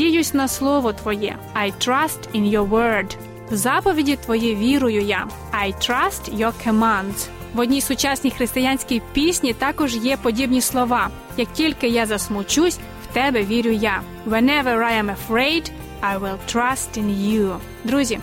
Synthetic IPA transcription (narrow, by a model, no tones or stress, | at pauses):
dʲijʊsʲnɐslˠɔʋɔt̪ʋɔjɛ̰ | ajt̪ɾɐstɪ̃njɔwɜɹd̪ | wzɑpɔʋʲidʲit̪ʋɔjiʋʲiɾʊjʊjɑː | jt̪ɾɐstjɔkʰɔmãnd̪z̥ | ʋɔdʲnʲisʊt͡ʃɑsʲnʲixɾɪst̪ɪjanʲsʲkijpʲisʲnʲit̪ɑkɔʒjɛpɔdʲibnʲislˠɔʋɑ | jɐk̚tʲilʲkɪjɑzɐsmʊt͡ʃusʲ | wt̪ɛbɛʋʲiɾʲʊjɑ | ʋɛnɛʋɛɹajɛ̃mɐfɹeɪd̪ | ajwɪlˠtɾɐstɪ̃nju | d̪ɾuzʲi